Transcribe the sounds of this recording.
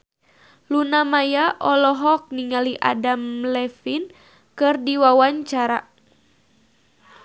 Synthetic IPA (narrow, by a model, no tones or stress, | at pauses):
lunamajaʔɔlɔɦɔk̚niŋaliʔa̰damlɛfin | kɨrdiwawaɲt͡ʃaɾa